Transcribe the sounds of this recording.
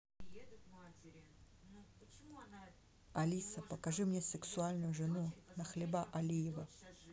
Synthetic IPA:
ɐlʲisɐpəkɐʐɨmnʲesɨksualʲnʊjʊʐɨnunɐxlʲɪbaʔɐlʲijɪvə

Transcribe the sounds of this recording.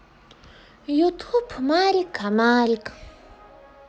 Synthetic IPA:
jut̪ʰupʰumaːɾikʰːamaːɾik

